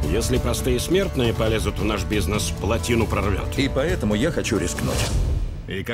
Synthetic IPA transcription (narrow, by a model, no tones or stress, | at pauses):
jesʲlʲɪpɾɐst̪ɨjəsmʲe̞rt̪nɨjəpɐlʲezʊt̪vnaʂbʲiznəsplˠɐtʲinʊpɾɐrvʲo̰t̪ipɐɛt̪əmʊjaxɐt͡ɕuɾʲɪsknṵtʲ | ik